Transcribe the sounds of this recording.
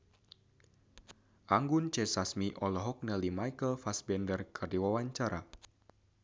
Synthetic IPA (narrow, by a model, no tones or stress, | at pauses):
ʔaŋɡunt͡ʃɛsasmiʔɔlɔɦɔk̚nɛlimajkəlfasbɛndərkʰərdiwawaɲt͡ʃaɾa